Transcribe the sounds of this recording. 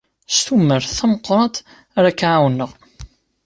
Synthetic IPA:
st̪umːəɾθæməqːɾˤɑt̪ | ɾakːʕawnːəʁ

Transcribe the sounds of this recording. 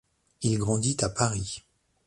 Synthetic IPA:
ilɡʁɑ̃d̪it̪apaʁi

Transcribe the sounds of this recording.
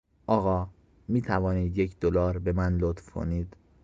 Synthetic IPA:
ʔɒːɣɒː | miːt̪ʰævɒːniːd̪jecʰd̪̥olɒːɾbe̞mænlot̪fkʰo̞̰niːd̪̥

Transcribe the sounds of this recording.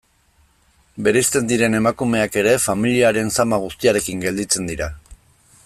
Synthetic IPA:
be̞ɾest̪e̞nd̪iɾe̞ne̞makume̞ake̞ɾe̞familiaɾe̞nsamaɣ̞ust̪iaɾe̞kiŋɡe̞ld̪it͡se̞nd̪iɾa

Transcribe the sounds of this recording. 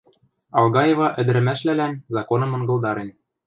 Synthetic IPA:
ɑlˠɣɑjevɑʔɘ̆d̪ɘ̆ɾɘ̆mæʃlælænzɑkonɤ̆mɤ̆ŋɡɤ̆ld̪ɑɾen

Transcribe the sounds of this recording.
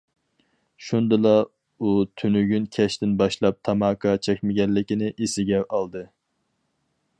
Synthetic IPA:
ʃund̪ɨlˠɑ | ut̪ʰynyɡʲynkʲʰɛʃt̪ɪnbɑʃlˠɑp̚t̪ʰɑmɑːkʰɑt͡ʃʰɛkʲmɪɡʲɛnːɪkʲinɪʔesɪɡʲɛɑlˠd̪ɨ

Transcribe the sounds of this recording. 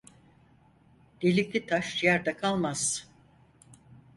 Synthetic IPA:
d̪̥elʲiklʲit̪ʰaʃjæɾd̪akʰalˠmaz̥

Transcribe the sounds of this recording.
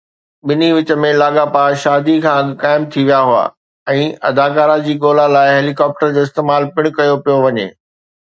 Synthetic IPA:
ɓɪniʋɪt͡ɕə̆mẽlaːɠapaʃaːd̪ikʰãːkaːɪmt̪ʰiʋijaɦʊa̰ː | ɛ̃ːɐ̰d̪aːkaːɾad͡ʑiːɠoːlalaːɪɦeːlikɔːp̚ʈəɾd͡ʑoːɪst̪eːmaːlpɪɽ̃kɐjopijoʋɐɲḛː

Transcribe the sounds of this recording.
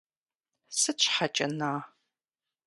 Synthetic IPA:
sɨt͡ʃʷʰħat͡ʃʼɐnaː

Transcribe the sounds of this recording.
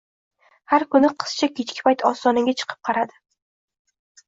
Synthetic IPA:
haɾkʰʊnɪqʰɨ̥st͡ʃʰakʲʰet͡ʃkʲɪ̥pajt̪ʰɒst̪ɒnɪŋɡʲat͡ʃʰɨ̥qʰɨ̥p̚qʰɑɾad̪ɪ

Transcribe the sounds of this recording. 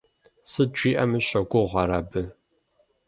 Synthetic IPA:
sɨʈ͡ʂʷʼiːʔɐmɨɕʷɐɡʷʊʁʷɐɾabɨ

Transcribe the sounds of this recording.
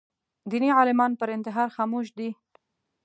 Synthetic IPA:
d̪iniʕɑlɪmɑnpəɾɪnt̪ɪɦɑɾxɑmuʃd̪i

